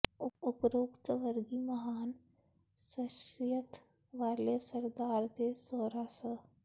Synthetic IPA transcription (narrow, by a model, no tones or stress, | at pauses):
ʊʊpɾoːkt͡ʃəʋəɾɡimɐɦaːn | səʃjət̪ | ʋaːlesəɾd̪aːɾd̪esoːɾasə